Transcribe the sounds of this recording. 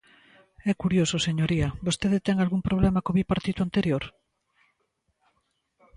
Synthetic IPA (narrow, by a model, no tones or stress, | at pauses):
ɛkuɾjososeɲoɾiɐbost̪eðet̪ɛŋalɣumpɾoβ̞lemakoβipaɾt̪it̪uant̪eɾjoɾ